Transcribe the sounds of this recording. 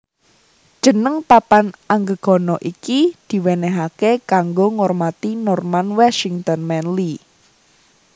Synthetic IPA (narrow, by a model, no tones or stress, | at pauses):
d̥ʒ̥ə̤nəŋpapanaŋɡəɡ̥ɔ̤nɔʔikid̪̥i̤weneɦakekaŋɡoŋɔrmat̪inɔrmanwaʃiŋt̪ɔnmɛnli